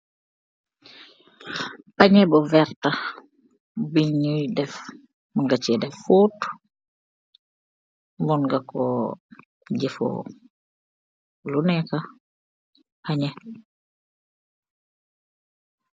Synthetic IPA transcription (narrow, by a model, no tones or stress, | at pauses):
paɲɛbɔvɛɾta | biɲujdɛf | munɡat͡ʃɛdɛfːut | munɡakɔ | ɟɛfo̰ | lunɛka | haɲɛ